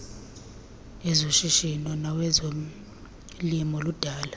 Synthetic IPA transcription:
ɛzoʃiʃinɔnawɛzo | limɔlud̥ʱaːla

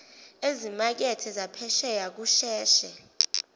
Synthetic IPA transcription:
ezimak̬ɛtʰɛzapʰɛʃɛjak̬uʃɛːʃɛ

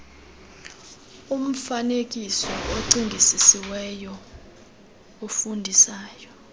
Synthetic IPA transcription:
um̩fanek̬ʼisɔʔoǀiŋɡʱisisiwɛjɔ | ofundʱisaːjɔ

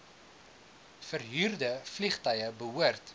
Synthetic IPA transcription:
fərɦyːrdəfliχtœjəbəɦuərt

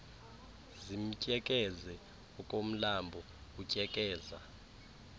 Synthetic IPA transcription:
zim̩cʼɛkʼɛzɛ | ɔkʼom̩lambʱɔ | ucʼɛkʼɛːza̰

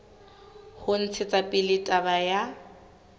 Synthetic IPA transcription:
hʊn̩t͡sʰɪt͡sʼapʼɪlɪtʼabaja

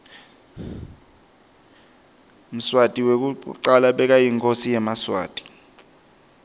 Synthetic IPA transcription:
m̩swatʼiwek̬ʼuǀalaɓɛk̬ajiŋkʼosijɛmaswa̰ːtʼi̥

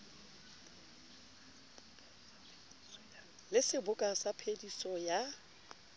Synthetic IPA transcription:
lɪsɪbʊkʼasapʰedisɔja

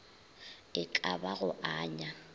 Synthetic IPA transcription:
ɪkʼabaɣʊʔaːɲa

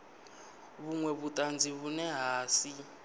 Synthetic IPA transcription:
βuŋwɛβutʼand͡zʱiβunɛɦaːsi

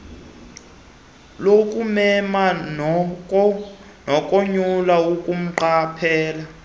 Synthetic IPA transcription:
lokʼumɛmanɔ | nɔkʼoɲulaukʼum̩ǃapʰɛːla

